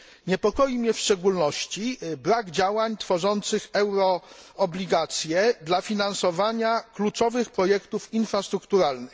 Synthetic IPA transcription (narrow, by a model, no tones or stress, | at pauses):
ɲɛpɔkɔjimɲɛfʂt͡ʂɛɡulnɔɕt͡ɕibɾaɡd͡ʑawaɲt̪fɔʐɔnt̪sɘxɛwɾɔɔblʲiɡat̪sʲjɛd̪lafʲinansɔvaɲaklut͡ʂɔvɘxpɾɔjɛkt̪ufinfɾast̪ɾukt̪uɾalnɘx